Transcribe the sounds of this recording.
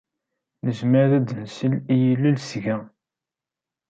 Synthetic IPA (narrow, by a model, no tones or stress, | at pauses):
nəzməɾðæd̪ənsəlijəlːilsʝæ